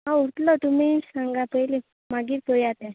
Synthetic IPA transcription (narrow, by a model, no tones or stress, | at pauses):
ɦãuɽt̪lɔt̪um̤isãŋɡapəjli | maɡiːɾpoɭjat̪e